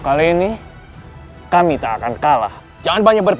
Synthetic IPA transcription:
kaliːni | kamit̪aːkankala̰h | d͡ʒaŋanbaɲak̚bərp

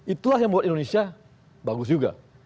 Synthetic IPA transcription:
it̪ulaɦjaŋmuat̪̚indonesia | baɡʊsd͡ʒuɡa̰

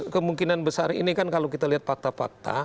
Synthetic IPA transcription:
kəmuŋkinanbəsaɾḭnikankalawkit̪aliɦat̪̚fak̚t̪afa̰k̚t̪a̰

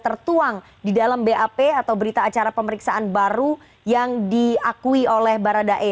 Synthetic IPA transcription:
t̪ərt̪uaŋ | didalambeʔapeat̪awbəɾit̪aːt͡ʃaɾapəməɾiksaʔanbaɾu | jaŋdiakuiolɛhbaɾadaʔe

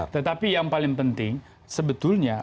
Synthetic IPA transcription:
t̪ət̪apijaŋpalɪŋpənt̪ɪŋ | səbət̪ʊlɲa

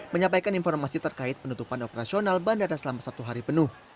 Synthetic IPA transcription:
məɲãmpajkaninfɔrmasit̪ərkaɪt̪̚pənut̪upanopəɾasionalbandadasəlamasat̪uɦaɾipənʊh

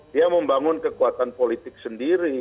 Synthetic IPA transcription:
diaməmbaŋʊnkəkuat̪anpolit̪ɪk̚səndiɾi

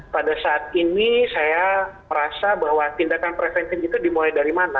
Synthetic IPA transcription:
padasaat̪̚inisajaməɾasabaɦwat̪indakanpɾɛsɛnkənd͡ʒit̪adimulajdaɾimana

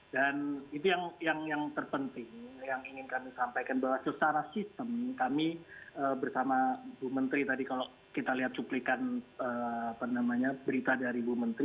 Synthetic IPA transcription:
danit̪̬ujaŋjaŋjaŋt̪ərpənt̪ɪŋjaŋiŋɪnkamisampajkanbawasəsaɾasist̪əmkamiəːbərsamabumənt̪ɾit̪adikalo | kit̪aliɦat̪̚t͡ʃuplikanəːapanamaɲabəɾit̪adaɾibumənt̪ɾi

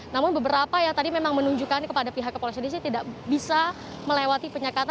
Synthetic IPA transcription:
namʊnbəbəɾapajat̪adimemaŋmənuɲd͡ʒukankəpadapiɦakːəpolesonis̬it̪idaʔbisa | məlewat̪ipəɲakat̪

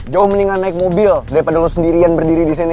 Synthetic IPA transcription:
d͡ʒaʊhməniŋanaɪk̚mobildaɾipadalosəndiɾianbərdiɾidisene

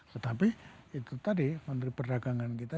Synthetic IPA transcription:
t̪ət̪apiit̪ut̪adimənt̪ɾipərdakaŋankit̪a

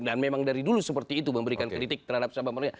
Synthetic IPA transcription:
danmemaŋdaɾidulusəpərt̪iːt̪uməmbəɾikankɾit̪ɪk̚t̪ərhadap̚samamaɾɲa

